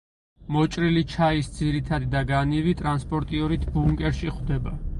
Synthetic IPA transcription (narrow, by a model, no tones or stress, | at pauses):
mɔt͡ʃʼɾilit͡ʃʰaisd̪ziɾit̪ʰad̪id̪aɡanivit̪ʼɾanspʼɔɾt̪ʼiɔɾit̪ʰbuŋkʼɛɾʃiχd̪ɛba